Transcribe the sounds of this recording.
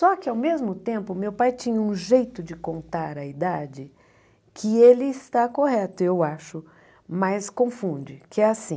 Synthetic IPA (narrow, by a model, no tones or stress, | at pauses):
sɔkɪawmezmʊt̪ẽmpʊmewpajt͡ʃĩɲɐũʒejt̪ʊd͡ʒɪkõnt̪aɾɐid̪ad͡ʒɪ | kʰɪelɪːst̪akoɦɛt̪ʊewaʃʊ | majskõfũd͡ʒɪkɪɛasĩ